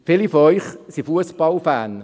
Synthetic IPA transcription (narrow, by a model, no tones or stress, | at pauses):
fɪlifɔœʏχsifuəspɑlfæːn